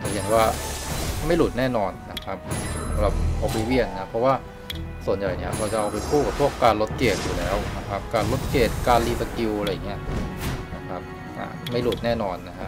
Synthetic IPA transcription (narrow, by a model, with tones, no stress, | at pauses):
ta˧˩he˨˩t̪waː˥˩ | ma˥˩jluː˨˩t̪̚nɛː˥˩nɔː˧nna˦˥kʰa˦˥p̚sa˨˩˦sa˨˦ɾa˨˩p̚ʔa˧˩pa˧jwi˥˩ənːa˦˥pʰɾɔ˦˥waː˥˩ | su˨˩ənja˨˩jni˦˥˩ɐɾʰa˧wt͡ɕa˨˩ʔa˧wpa˧jpʰuː˥˩ka˨˩pʰu˥˩əkːaː˧nlo˦˥t̪̚keː˨˩t̪̚juː˨˩lɛː˦˥wna˦˥kʰa˦˥p̚kaː˧nlo˦˥t̪̚keː˨˩t̪̚kaː˧nliː˧sa˧ki˧a˧ɾa˧jːa˨˩ŋːi˦˥ɐna˦˥kʰa˦˥p̚ | ʔa̰ː˨˩ma˥˩jluː˨˩t̪̚nɛː˥˩nɔː˧nːa˦˥kʰa˦˥